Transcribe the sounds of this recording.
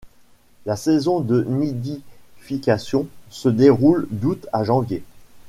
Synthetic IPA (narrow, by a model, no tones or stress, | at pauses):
lasɛzɔ̃d̪ənid̪ifikʲasjɔ̃səd̪eʁuld̪ut̪aʒɑ̃vje